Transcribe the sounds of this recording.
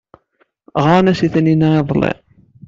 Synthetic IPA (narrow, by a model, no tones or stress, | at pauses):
ʁanæsiθəninaeðˤlːḛ